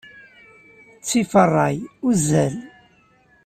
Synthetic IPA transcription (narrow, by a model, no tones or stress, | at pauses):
t͡sːifərˤːɑjʊzːæl